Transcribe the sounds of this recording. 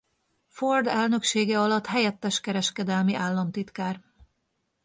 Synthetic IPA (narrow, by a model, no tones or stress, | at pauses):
ford̪ɛlnø̞kʃeːɡɛɒlɒt̪ɦɛjɛt̪ːɛʃkɛɾɛʃkɛd̪ɛlmiʔaːlːɒmt̪it̪kaːr